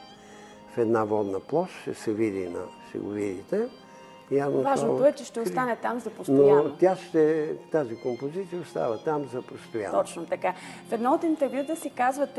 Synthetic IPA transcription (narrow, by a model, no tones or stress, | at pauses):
fɛd̪navɔd̪nəplˠɔʃʃɛsɛvid̪ḭnɐ̰ʃt̪ɛ̰ɡo̰vid̪it̪ɛ | javnovaʒnot̪oɛt͡ʃɛʃt̪ɛost̪anɛt̪amzɐpɾosnoat̪ʲaʃt̪ɛt̪azikompozit̪sijəʊst̪a̰vət̪amzɐpɾost̪oja̰ɔt͡ʃnot̪ɐkafɛd̪naot̪int̪ɛɾvjut̪əsikazvət̪